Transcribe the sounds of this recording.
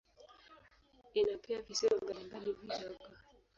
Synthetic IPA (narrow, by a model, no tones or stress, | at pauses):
inapɛavisɛɔɡalimbalivid͡ʒaɡa